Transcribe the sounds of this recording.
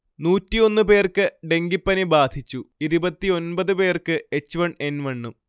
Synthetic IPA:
nuːtːio̞nːɨpe̞ːrkɨɖe̞ŋɡipːɐnebaːd̪ʱit͡ɕːuiɾubɐt̪ːio̞nbɐðɨpe̞ːrkɨe̞t͡ɕːʋɐɳe̞nʋɐɳːum

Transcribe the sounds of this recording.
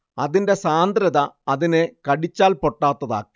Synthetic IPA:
ɐðinde̞saːnd̪ɾɐðɐːðinekɐɽit͡ɕːaːlpo̞ʈːaːt̪ːɐða̰ːkːi̥

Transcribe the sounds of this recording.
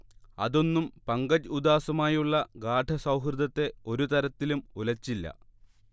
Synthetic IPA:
ɐ̰ðo̞nːumpɐŋɡɐd͡ʑud̪aːsɐmaːjuɭːɐɡaːʈʰɐsɐwɦrɨd̪ɐt̪ːe̞o̞ɾut̪ɐɾɐt̪ːilumulɐt͡ɕːilːɐ̰

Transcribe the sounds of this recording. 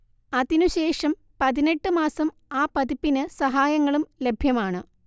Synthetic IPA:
ɐðinuɕe̞ːʂɐm | pɐðine̞ʈːɨmaːsɐm | aːpɐðipːinɨsɐɦaːjɐŋːɐɭumle̞bʱjɐmaːɳɨ

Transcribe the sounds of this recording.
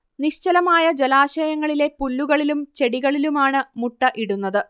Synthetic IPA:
niɕt͡ɕɐlɐmaːjɐd͡ʑelaːɕɐjɐŋːɐɭile̞pulːuɣɐɭilumt͡ɕeɽiɣɐɭilumaːɳɨmuʈːɐʔiɽunːɐðɨ

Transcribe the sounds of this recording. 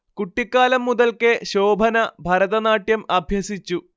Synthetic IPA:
kuʈːikːaːlɐmːuðɐlkeɕo̞ːbʱɐnɐbʱɐɾɐðɐnaːʈjɐmɐbʱjɐsit͡ɕːu

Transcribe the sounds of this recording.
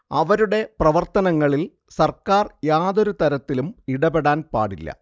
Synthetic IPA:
ɐʋɐɾuɽe̞prɐʋɐrt̪ɐnɐŋːɐɭil | sɐrkaːrjaːðoɾut̪ɐɾɐt̪ːilumiɽɐbeɽaːnpa̰ːɽilːɐ̰

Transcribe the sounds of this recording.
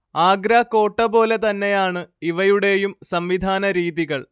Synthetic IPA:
aːɡɾaːkːo̞ːʈːɐbo̞ːle̞t̪ɐnːe̞jaːɳɨiʋɐjuɽe̞jumsɐmʋid̪ʱaːnɐɾiːðiɣɐɭ

